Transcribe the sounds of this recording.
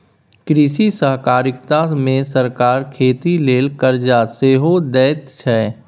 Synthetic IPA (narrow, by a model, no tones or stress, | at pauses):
kɾɪʃisəɦkaːɾɪkt̪amẽsəɾkaːɾkʰeːt̪ileːlkəɾd͡ʒaseːɦod̪ɛːt̪t͡ʃʰɛː